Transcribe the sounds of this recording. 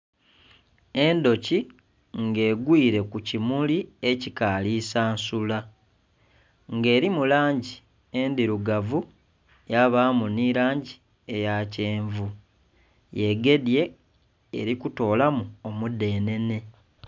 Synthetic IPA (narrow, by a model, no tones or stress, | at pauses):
e̞ndo̞ci | ŋɡe̞ːɡwiːɾe̞kucimulie̞cikaːliːsaːnsula | ŋɡe̞ːɾimulaːɲɟi | e̞ndiɾuɡavu | jaβaːmuniɾaːɲɟi | e̞jaceːɱvu | je̞ɡe̞dje̞̰ː | ɾikuto̞ːlamuomude̞ːne̞ne̞